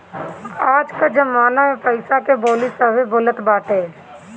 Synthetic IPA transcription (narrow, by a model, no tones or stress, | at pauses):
aːd͡ʒkad͡ʒɐmaːnamẽpəɪsakeboːlisaʋeboːlət̪baːʈʰeː